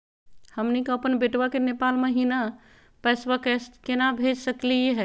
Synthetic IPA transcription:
həmnikoəpənbeʈʋakenepalməɦina | pɛsʋakɛkenabʱed͡ʒsəklieɦɛ

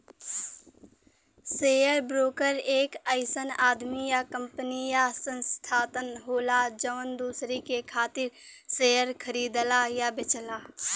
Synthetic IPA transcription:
seːjəɾbɾoːkəɾeːkəɪsənaːd̪mijakə̃mpənijasə̃nst̪ʰaːt̪ənɦoːlad͡ʒəʋənd̪uːsɾikekʰaːt̪ɪɾseːjəɾkʰəɾiːd̪lajabɪt͡ʃəlaː

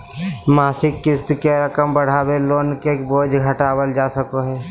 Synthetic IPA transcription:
maːsɪkːɪst̪keɾəkəmbəɽ̤aːweloːnkekboːd͡ʒɡʱəʈaːwəld͡ʒaːsəkoɦɛː

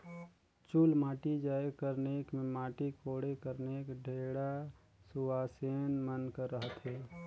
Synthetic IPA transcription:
t͡ʃulmaːʈid͡ʒaːjekəɾneːkmẽmaːʈikoːɽekəɾneːkɖʱeːɽa | sʊʋaːseːnmənkəɾːəɦət̪ɦeː

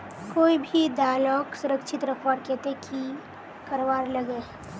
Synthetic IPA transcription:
koːibʱid̪aːlɔ̃ːksʊɾəkʃɪt̪ɾəkʰʋaːɾkeːt̪ekʰi | kɐɾwaːɾlɐɡeː

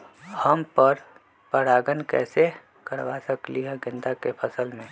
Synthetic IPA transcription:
həmpəɾ | pəɽaːɡənkɛ̰ːse | kəɾʋasəkliɦɛɡɪ̃nd̪akepʰəsəlmẽː

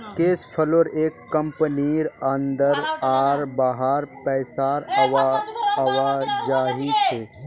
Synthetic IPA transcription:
keːspʰəloːɾeːkːɐmpəniɾənd̪əɾaːɾbaːɦaɾpɛːsaːɾ | ɐʋaːd͡ʒaːɦit͡ʃʰeː

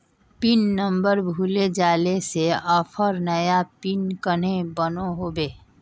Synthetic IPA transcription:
pinːəmbəɾbʱuled͡ʒaːleseɔpʰəɾnəjapinkən̤ebənoɦobeː

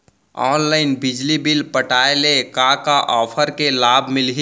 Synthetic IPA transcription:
ɔːnlaːɪnbɪd͡ʒlibɪlpəʈaːelekakaʔɔːpʰəɾkelaːbʱmɪlɦi

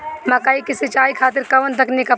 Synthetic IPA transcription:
mɐkaːikɪsɪt͡ʃaːikʰaːt̪̬ɪɾkɐʋənt̪̬ɐknikɐ

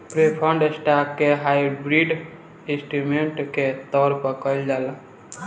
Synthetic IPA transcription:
pɾepʰəɳɖsʈap̚keɦajbɾiɖ | ĩsʈimeɳʈket̪ɔɾpəkəjld͡ʒal

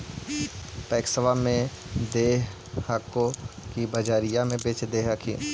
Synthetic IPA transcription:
pɛːksəʋamẽ | d̪eːɦ | hakokibəd͡ʒaːɾijamẽbet͡ʃd̪eːɦakʰĩ

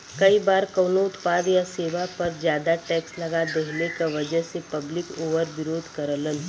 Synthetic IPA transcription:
kɐibaːɾkɐːnoʊt̪paːd̪jaseːʋapɐɾd͡ʒjaːd̪aʈɛːkslɐɡad̪eɦlekaʋɐd͡ʒəɦsepɐblɪkoːʋəɾʋɪɾoːd̪ʱkɐɾələn

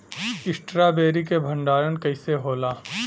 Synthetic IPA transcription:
ɪsʈɾaːbeːɾikebʱɐ̃ɳɖaːɾənkɐɪseɦoːlaː

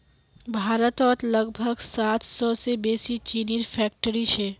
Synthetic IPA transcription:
bʱaːɾət̪ɔːt̪ləɡbʱəɡsaːt̪ʰsɔsebeːsit͡ʃiːniɾfʰɛːk̚ʈəɾiʃʰeː

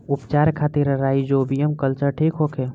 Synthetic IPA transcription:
upt͡ʃaɾkʰat̪iɾɾaid͡ʒobijəmkəlt͡ʃəɾʈʰikɦokʰe

